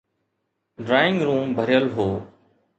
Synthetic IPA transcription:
ɖɾaːɪ̃ŋɡɾũːmbʱəɾjəlɦoː

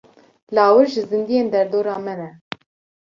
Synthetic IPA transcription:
lɑːwɨɾʒɨzɨnd̪ijeːnd̪ɛɾd̪oːɾɑːmɛnɛ

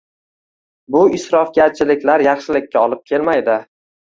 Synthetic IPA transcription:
bʊɪsɾɒfɡʲat͡ʃʰɪlɪkʲlaɾjɑχʃɪlɪk̚ʲʰːaɒlˠɪp̚kʲʰe̞lmajd̪ɪ

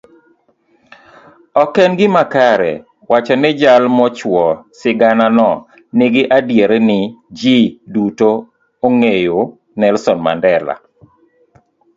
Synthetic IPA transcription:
ɔkɛnɡɪmakaɾɛ̰ | wat͡ʃɔnɛd͡ʒalmɔt͡ʃwɔsɪɡananɔ | nɪɡɪʔadjeɾnɪd͡ʒiduto | oŋejo | nɛlsɔnma̰ndɛla̰

